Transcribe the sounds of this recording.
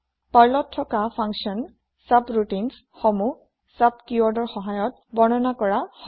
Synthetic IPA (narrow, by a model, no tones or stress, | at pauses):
paɹlɔtʰːɔkapʰaŋksiɔn | sapɹutins | xɔmu | sapkuwɔɹdɔɹxɔɦajɔt̚ | bɔnɔnakɔɹax